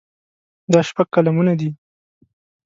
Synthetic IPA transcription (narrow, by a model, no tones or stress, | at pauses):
d̪ɑʃpaɡ̚kalamunad̪i